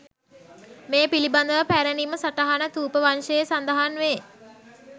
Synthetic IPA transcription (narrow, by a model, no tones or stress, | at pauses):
meːpiliband̪əʋəpæɾəniməsaʈaɦanət̪uːpəʋanʃəjesand̪əɦanʋeː